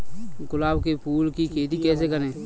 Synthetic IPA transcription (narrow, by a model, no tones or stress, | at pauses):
ɡʊlaːbkepʰuːlkikeːt̪ikɛːs̬ekɐɾẽː